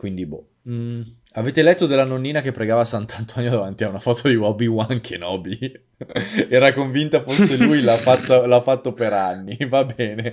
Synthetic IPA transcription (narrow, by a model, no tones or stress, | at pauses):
kwind̪ibɔ̰ | aveːt̪elɛt̪ːod̪elːanonːiːnakepːɾeɡaːvasant̪ant̪ʰɔnjod̪avant̪iaunafɔːt̪ʰod̪iwɔbiwaŋkʰenɔːbi | ɛːɾakoɱvint̪afosːelujlafat̪ːolafːat̪ːopeɾanːivabɛːne